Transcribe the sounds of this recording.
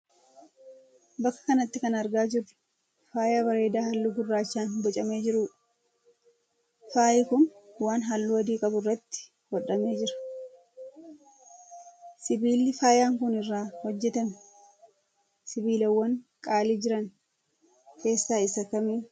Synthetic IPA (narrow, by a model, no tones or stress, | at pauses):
bɐkːɐ̥kɐnɐt̪ːɪkɐnɐɾɡaːd͡ʒɪrːʊ̥ | faːjabɐɾe̞ːd̪aːhɐlːuɡʊrːaːt͡ʃːaːnbɔt͡ʃʼɐme̞ːd͡ʒɪɾʊ | faːʔɪkʊnwaːnɦɐlːʊɐd̪iːkʼɐbʊrːɐt̪ːɪ̥ | hɔᶑɐme̞ːd͡ʒɪɾɐ̥ | sɪbiːlːɪfaːjaːŋkʊnɪrːaːhɔd͡ʒːɛt̪ɐm | sɪbiːlɐwːɐŋkʼaːliːd͡ʒɪɾɐn | ke̞ːsːaːɪsɐkɐmiː